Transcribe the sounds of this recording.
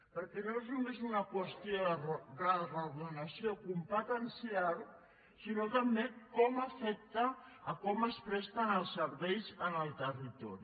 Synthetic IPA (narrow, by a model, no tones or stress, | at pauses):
pəɾkenoeznumezunakwəst̪jodaraɣðənasjokumpat̪ansiaɾ | sinot̪ambekɔmafɛk̚t̪aː | kɔməspɾɛst̪anəlˠsəɾβɛjzənəlˠt̪ərit̪ɔɾi